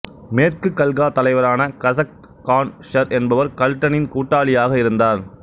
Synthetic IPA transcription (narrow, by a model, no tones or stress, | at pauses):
meːrkɯkːɐlɣaːt̪ɐlɐɪʋɐɾaːnɐkɐsɐk̚ʈ | kːaːnʂɐɾɛnbɐʋɐɾkɐlʈːɐnɪnkuːʈːaːɭɪjaːɣɐɪɾɯnd̪aːɾ